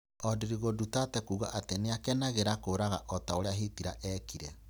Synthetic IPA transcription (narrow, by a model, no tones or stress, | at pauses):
ɔdeɾiɣodutatɛkuːɣaʔateneakɛnaɣeɾakoːɾaɣaʔɔtaoɾeaɦetiɾa̰ʔɛːkiɾɛ